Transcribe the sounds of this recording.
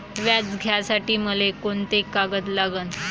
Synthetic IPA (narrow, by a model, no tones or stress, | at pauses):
ʋjat͡sɡʱjasaʈiːməlekoɳt̪ekːaɡət̪laɡən